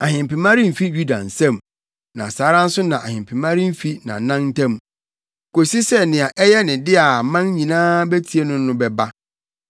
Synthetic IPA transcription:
a˨hɪ̃˨m˨pɪ˨mã˦ɾi˦m̩˨fi˦ju˦da̰˨n̩˨sɛ̃˦˨m | nã̰˨saː˨˦ɾã˦n̩˦sʊ˦nã˨ʔa˨hɪ̃˨m˨pʰɪ˨mã˦ɾi˦m̩˦fi˦nã̰˨˦nã˦n˦tã˦m | ko˨si˦sɛ˦nɪ̃˨a˨ʔɛ˦jɛ˦nɪ̃˨dɪ˦a˨mã˦n˦ɲĩ˨nãː˦bɛ˦tʰi˨e˦nʊ̃˦nʊ̃˦bɛ˨ba˦

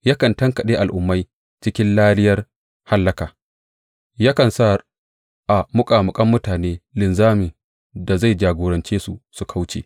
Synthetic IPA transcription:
jaː˦kɐ˨ntɐ˦ŋkɐ˨ɗeː˦ʔa˨lʔʊ˨mːa˦j | t͡ʃɪ˦kʲɪ˦nlaː˦lɪ˦jɐ˦r | ha˦lːɐ˦kaː˨ | jaː˦kɐ˨nsa˦ | ʔa˨mʊ˦kʼaː˨mʊ˨kʼɐ˦mːʊ˦taː˨neː˦lɪ˨nzaː˦mɪ˨ | da˨za˦˨jd͡ʒaː˨ɡʷoː˨ɾɐ˨nt͡ʃeː˦su˦su˨kʰa˦wt͡ʃḛː˨

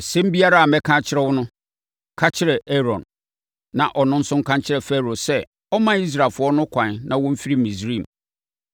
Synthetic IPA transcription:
sɛ̃˦m˦bi˦a˦ɾa˦a˨mɛ̃˦kʰã˦t͡ɕʰɪ˦ɾɛ˦wʊ˦nʊ̃˦ | kʰa˦t͡ɕʰɪ˦ɾɛ˨ɛ˦ɾɔ̃˨nː | ã˨ʔɔ˨nʊ̃˦n̩˦sʊ̃˦ŋ̩˦kʰã˦ɲt͡ɕʰɪ˦ɾɛ˨fɛ˦ɾo˨sɛ˦˨ | ɔ˦mã˦i˦s̬ɾa˨lfʊ˨˦ɔ˦nʊ̃˦kʷʰã˨nnã˨wʊ̃˦m̩˦fi˦ɾi˦˨mĩ˨sɾĩ˦˨m

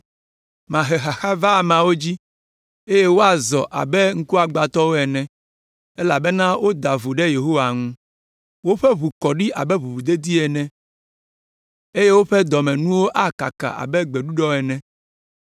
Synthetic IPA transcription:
mã˨ɦɛ˨xa˨xa˦va˦˨mã˨wo˦d͡ʑi˦ | e˦je˦wo˦a˨zɔ˨ʔa̰˨bɛ˦ŋ̩˦ku˦a˨ɡ͡ba˨t̪ɔ˦wo˦ɛ˨nɛ̃˨ | e˦la˨bɛ˦nã˦wo˦d̪a˨vu˨ɖe˦je˨ɦo˦wa˨ŋũ˦ | wo˦ɸɛ˦βu˨kɔ˨ɖi˦ʔa̰˨bɛ˦βu˨βu˨d̪e˦d̪i˦ɛ˨nɛ̃˦ | e˦je˦wo˦ɸɛ˦d̪ɔ˨mɛ̃˨nũ˦wo˦ʔa˦ka˨ka̰˨ʔa̰˨bɛ˦ɡ͡bɛ˨ɖu˦ɖɔ˦ɛ˨nɛ̃˦

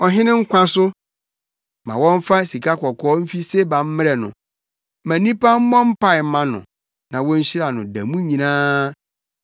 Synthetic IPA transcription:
ɔ˨ɦɪ̃˦nɪ̃˦ŋ̩˦kʷʰã˦sʊ˦ | mã̰˨wɔ̃˦ɱ˦fa˦si˨kʰa˦kʰɔ˨kʰɔː˦m̩˦fi˦se˦bã˨m̩˦mɪ˦ɾɛ˨nʊ̰̃˨ | mæ̃˨nĩ˦pa˦m̩˦mɔ̃˦m̩˦pa˦ɪ˨m˦mã˦nʊ̰̃˨ | nã˨wɔ̃˦ɲ̩˦ɕi˦ɾa˨nʊ̃˨dæ̰˨mũ˦ɲĩ˨nãː˦

